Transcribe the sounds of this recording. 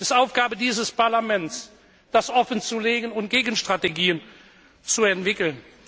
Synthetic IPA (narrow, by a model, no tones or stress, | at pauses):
ɪsaʊfɡ̥aːbədiːzəspaɐlamɛns | d̥asʔɔfənt͡suleːɡənʊnt̚ɡ̥eːɡən̩ʃtʁ̥ateɡiːən | t͡suɛntv̥ɪkl̩n